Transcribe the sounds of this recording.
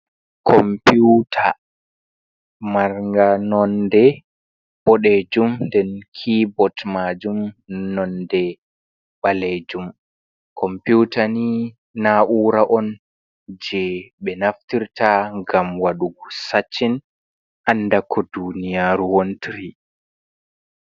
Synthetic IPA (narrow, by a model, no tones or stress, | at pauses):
kʰɔmputʰa̰ | maɾŋɡanɔndɛ | b̥ɔɗed͡ʒumndɛnkʰibɔtmad͡ʒumnɔndɛ | ɓaled͡ʒum | kʰɔmpjutani | naʔuːɾaʔɔn | d͡ʒɛɓɛnaftiɾtaŋɡamwaɗusat͡ʃːin | ʔanːdakʰɔdunijaɾuwontɾi